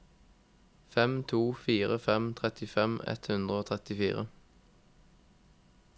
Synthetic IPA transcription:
fɛmt̪ʰuːfiːʁəfɛmt̪ʰʁɛt̪ɪfɛmɛ̰t̪hʉnd̪ʁəoːt̪ʰʁɛt̪ɪfiːʁə

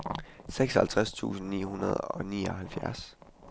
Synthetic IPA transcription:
seɡ̥sɒhælt͡sʰʁast͡sʰṵːsn̩nḭːhunɐð̞ˠɒ̽niːɒ̽ɦælfjæɐs

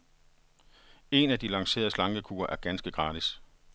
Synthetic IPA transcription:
e̝næd̥ilɑ̈ŋse̝̰ːɐð̩ˠəslɑ̈ŋɡ̥əkʰṵːɐʔæɐɡ̥ænsɡ̥əɡ̥ʁɑ̈ːd̥is

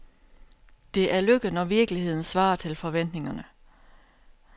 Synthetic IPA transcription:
d̥e̝ʔæɐløɡ̥ənɒʋiɐɡ̥lihe̝ð̞̰ˠn̩sʋɑ̰̈ːt͡sʰe̝lfɒ̽ʋen̰d̥ne̝ŋɐnə

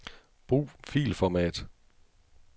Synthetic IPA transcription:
b̥ʁṵːfḭːlfɒmɛ̰ːd̥

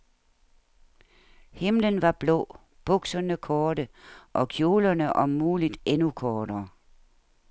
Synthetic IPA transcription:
hemlənʋɑ̈b̥lɔ̰ː | b̥ɔɡ̥sɐnəkʰɔːɾəʔɒ̽kʰjo̝ːlɐnəʔɒ̽ːuːlid̥enukʰɒːɾɐː

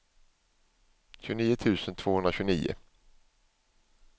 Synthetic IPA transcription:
ɕʉniːʊt̪ʰʉ̟ːsənt̪ʰv̥oːhɵnɾaɕɵniːʊ̰

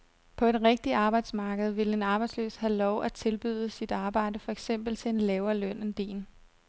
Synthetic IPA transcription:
pʰɒ̽e̝d̥ʁɛɡ̥̚d̥iɑ̈ːb̥ɑ̈ɪ̰d̥smɑ̈ːɡ̥əð̞̩ˠʋe̝lenɑ̈ːb̥ɑ̈ɪ̥slø̰ːshælɒʊʔæt͡sʰe̝lb̥yːð̞ˠəsid̥ɑ̈ːb̥ɑ̈ɪ̰d̥əfɒ̽eɡ̥sem̰b̥l̩t͡sʰe̝e̝nlɛːʊɐlœn̰end̥e̝̰ːn

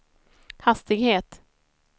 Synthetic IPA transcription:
hast̪ɪɡheːt̪

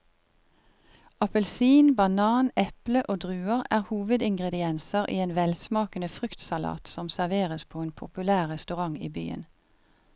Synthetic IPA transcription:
ɑpəlsiːnbɑnɑːnɛpləʔoːd̪ʁʉːəʁæːʁhuːʋəd̪ɪŋɡʁɛd̪ɪɛnsəʁʔḭːeːnʋɛlsmɑːkənəfʁʏkt̪sɑlɑ̰ːt̪sɔmsæʁʋeːʁəspʰoːeːnpʰʊpʉlæːʁʁɛst̪ʉʁɑŋḭːby̰ːə̰n

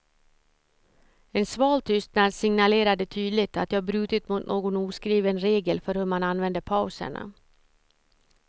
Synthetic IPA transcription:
ɛnsvɑːlt̪ʰʏst̪nad̪sɪŋnaleːɾad̪ət̪ʰyːd̪lɪt̪at̪jɑːbɾʉ̟ːt̪ɪt̪mʊt̪nʔoːɡɔnuːskɾiːvənɾeːɡəlfœɾhɵɾmananvɛnd̪əpʰaʉsə̰ɳa̰

